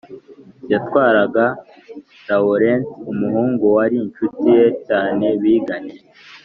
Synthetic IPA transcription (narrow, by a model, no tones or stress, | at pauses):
jatwaːɾaɡa | daoɾensumuhuːŋɡuwaɾiːnt͡ʃutije̞caːne̞βiːɡaneɾe